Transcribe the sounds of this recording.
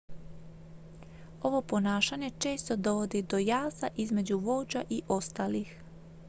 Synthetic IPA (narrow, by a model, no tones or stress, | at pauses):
o̞ʋo̞po̞naːʃaɲe̞t͡ʃe̞ːst̪o̞d̪o̞ʋo̞d̪id̪o̞jaːzaʔizme̞d͡ʑuʋo̞ːd͡ʒaʔiʔo̞st̪aːlix